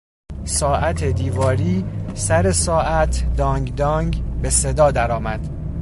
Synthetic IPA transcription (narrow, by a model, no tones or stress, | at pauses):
sɒːʔæt̪ʰed̪iːvɒːɾiːsæɾe̞sɒːʔæt̪ʰd̪ɒːŋɡd̪ɒːŋɡbe̞se̞d̪ɒːd̪æɾɒːmæd̪̥